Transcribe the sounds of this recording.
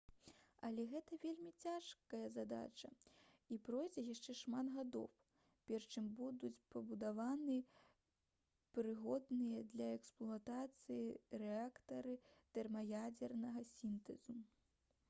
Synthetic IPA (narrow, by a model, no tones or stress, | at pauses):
ɐlʲɛɣɛt̪ɐvʲelʲmʲit͡sʲaʂkɐjɐzad̪a̰t͡ʂɐ̰ipɾɔjd͡zʲɛjaʂt͡ʂɛʂmat̪ɣad̪ɔ̰w | pʲɛrʂt͡ʂɨmbud̪ut͡sʲpɐbud̪avanɨ | pɾɨɣɔd̪nɨjɐd̪lʲɐɛksplˠuat̪at̪sɨjiɾɛakt̪ɐɾɨt̪ɛrmɐjad͡zʲɛrnɐɣɐsʲint̪ɛzu